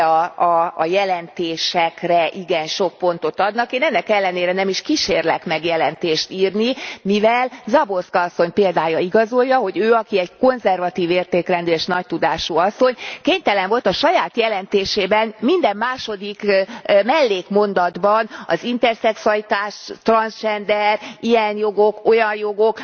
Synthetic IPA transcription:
ɒjɛlɛnt̪eːʃɛkrɛʔiɡɛnʃo̞k̚po̞nt̪o̞t̪ɒd̪nɒkeːnɛnːɛkɛlːɛneːɾɛnɛmiʃkiʃeːrlɛkmɛɡjɛlɛnt̪eːʃt̪iːrnimivɛlzɒbo̞rskɒsːo̞ɲpeːld̪aːjɒiɡɒzo̞jːɒɦo̞ɟøːɒkiɛɟko̞nzɛrvɒt̪iːveːrt̪eːklɛnd̪øːʃnɒc̚t̪ud̪aːʃuɒsːo̞ɲkeːɲt̪ɛlɛɱvo̞lt̪ɒʃɒjaːt̪jɛlɛnt̪eːʃeːbɛnmind̪ɛmːaːʃo̞d̪ikmɛlːeːkmo̞nd̪ɒd̪bɒnɒ̰zint̪ɛrsɛksuɒlit̪aːʃt̪rɒnst͡ʃɛnd̪ɛrijɛnjo̞ɡo̞ko̞jɒnjo̞ɡo̞k

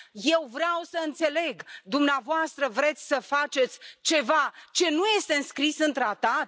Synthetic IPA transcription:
je̞wvɾeawsəɨnt̪se̞le̞ɡd̪umneavoast̪ɾəvɾe̞t̪sʲsəfat͡ʃe̞t̪sʲt͡ʃe̞vat͡ʃe̞nuje̞st̪e̞ɨnskɾisɨnt̪ɾat̪at̪̚

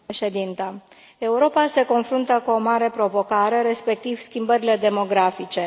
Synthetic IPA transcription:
ʃe̞d̪int̪a | e̞uɾo̞pase̞ko̞nfɾunt̪əkuo̞maɾe̞pɾo̞vo̞kaɾe̞ɾe̞spe̞k̚t̪iv̥skʲimbəɾile̞d̪e̞mo̞ɡɾafit͡ʃe̞

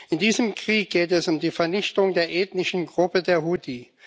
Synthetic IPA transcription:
ɪndiːzəmkʁ̥iːk̚ɡ̥eːtɛsʊmdiːfɛɐnɪçtʊŋdeːɐʔeːtnɪʃn̩ɡʁʊpədeːɐɦudi

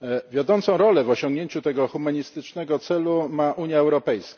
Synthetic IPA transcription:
vʲjɔd̪ɔnt̪sɔ̃w̃ɾɔlɛvɔɕɔŋɡɲeɲt͡ɕut̪ɛɡɔxumaɲist̪ɘt͡ʂnɛɡɔt̪sɛlumaʔuɲjaɛwɾɔpɛjska

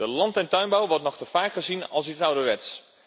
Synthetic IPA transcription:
əlɑntɛntœɥnbawʋɔɹtnɔχtəfaːkχəzinɑ̰lˠs̬itsawdəʋɛts

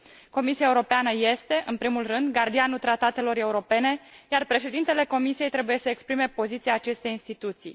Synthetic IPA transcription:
ko̞misiaeuɾo̞peanəje̞st̪e̞ʔɨnpɾimulrɨnd̪ɡard̪ianut̪ɾat̪at̪e̞lo̞ɾe̞uɾo̞pe̞ne̞jarpɾe̞ʃe̞d̪int̪e̞le̞ko̞misijejt̪ɾe̞buje̞səekspɾime̞po̞zit̪siaːt͡ʃe̞st̪e̞jinst̪it̪ut̪sḭj

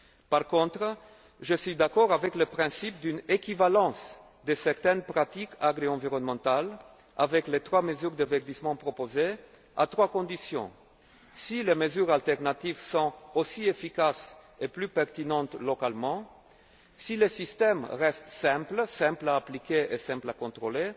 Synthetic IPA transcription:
paʁkɔ̃t̪χ | ʒəsɥid̪akɔʁavɛkləpχɛ̃sip̚d̪ynekʲivalɑ̃s | d̪əsɛʁt̪ɛnpʁat̪ikʰaɡʁeɑ̃viʁɔnmɑ̃t̪al | a̰vɛklet̪χwaməzyʁd̪əvɛʁd̪ismɑ̃pχopoze | a̰t̪χwakɔ̃d̪isjɔ̰̃ | sileməzyʁalt̪ɛʁnat̪ivsɔ̃osiefikaseplypɛʁt̪inɑ̃t̪lokalmɑ̃ | silesist̪ɛmʁɛst̪sɛ̃plsɛ̃plaːplikʲeʔesɛ̃plakɔ̃t̪ʁole

